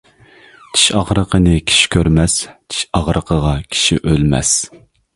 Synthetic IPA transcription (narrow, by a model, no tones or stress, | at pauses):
t͡ʃ̪ʰi̥ʃɑʁɾəqʰənɨkʲʰi̥ʃi̥kʲʰøɾmɛst͡ʃ̪ʰi̥ʃɑʁɾəqʰəʁɑkʲʰi̥ʃḭʔølmɛ̰s